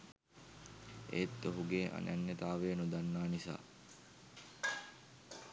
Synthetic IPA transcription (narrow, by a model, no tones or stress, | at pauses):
ḛːt̪ːoɦuɡeːʔa̰nanːet̪aːʋeːnud̪anːaːnisa̰ː